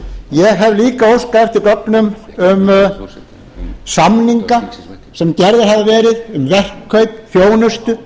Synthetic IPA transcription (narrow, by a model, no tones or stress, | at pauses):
jɛɣɦɛvliːkaowskaɛft̪ɪɾkɔknʏmʏm | samniŋka | sɛmt̪jɛɾðɪɾɦavavɛːɾɪðʏmvɛr̥kʰːœɥpfjoːwnʏst̪ʏ